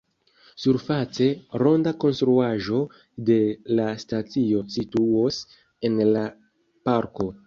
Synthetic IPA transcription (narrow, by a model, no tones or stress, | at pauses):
suɾfat͡se̞ɾo̞ndako̞nstɾuaʒo̞ | de̞lastat͡sio̞situos | e̞nla | paɾko̞